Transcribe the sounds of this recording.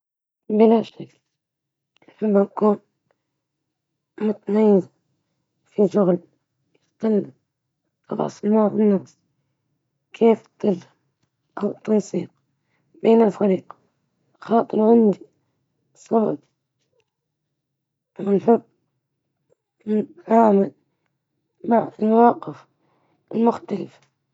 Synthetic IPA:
bɪlaʃakl | nħɪbːɪnkuːn | mʊt̪najːɪz | fiʃʊɣl | jɪht̪alːa̰ | ɾˤɑ̰sˤlmaʕfinːafs | kʰeːft̪ːɪl | ʔawt̪ːɑnsiːq | beːnɪlfaɾiːq | xɑːt̪ˤɨɾʕɪnd̪i | sˤːɑb | ʔawɪlħʊb | mɪnʕaːmɪl | maʕɪlmawɑːqɪf | ʔɪlmʊxt̪alɪf

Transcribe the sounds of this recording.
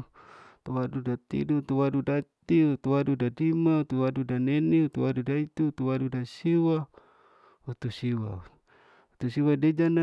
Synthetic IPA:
t̪uwadudat̪ḭdut̪uwadudat̪iut̪uwadudadimaut̪uwadudaneniut̪uwadudait̪uut̪uwadudasiwa | ut̪usiwa | ut̪usiwaded͡ʒana

